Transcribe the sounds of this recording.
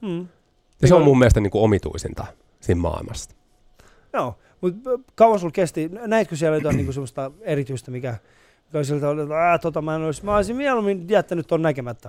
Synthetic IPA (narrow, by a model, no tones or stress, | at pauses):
m̩ː | jɑseomːmumːielest̪ɑniːŋkuomit̪ṵisint̪ɑ | siːmmɑ̰ˑilmɑs | joː | mut̪kɑwɑnsulkest̪inæit̪køsiælæjot̪ɑniːŋkusemːost̪ɑerit̪yist̪æmikæ | mikoisielt̪ɑolot̪ːt̪ot̪ɑmæinolismæoesimiɛlumint̪iæet̪ːænyt̪ːonnækemæt̪ːæ